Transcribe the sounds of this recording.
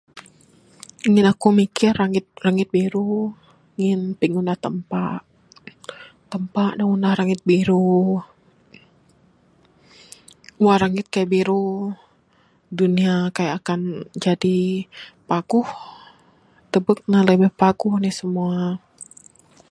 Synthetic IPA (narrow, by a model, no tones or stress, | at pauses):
iŋɪnakumikɪraŋɪt̪̚raŋɪt̪̚biɾu | iŋɪnpiŋundaht̪əmpaʔ | t̪əmpaʔdaŋundahɾaŋɪt̪̚biɾu | uwaɾaŋɪt̪̚kajaʔbiɾu | duniakajaːkand͡ʒadipaɡ̥uh | t̪əbək̚naləbɛhpaɡuhnɛhsəmua